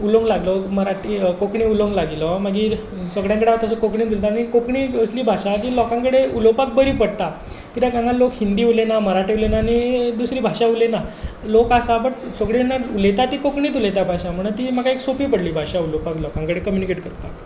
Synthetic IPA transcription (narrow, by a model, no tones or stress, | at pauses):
uloŋɡlaɡlɔməɾaʈiːkokɳiuloŋɡlaɡilɔmaɡiːɾ | səɡɽjãŋkəɽeaɦot̪asəkokɳĩːd̪ʱilt̪añikokɳiəsliːbʱaʂat̪iːlɔkãŋkəɽeulopak̚bəɾipəɽt̪a | kit̪aɡãŋɡallokhind̪iːulenaməɾaʈeulenaːnid̪usɾiːbʱaʂaulenalokasabəʈsəɡɽenaulet̪at̪iːkokɳiːt̪̬ulet̪abʱaʂam̤əɳ̃ət̪iːmakaeksopiːpəɽliːbʱaʂaulopaklɔkãŋkəɽekəmjunikeʈkəɾt̪ak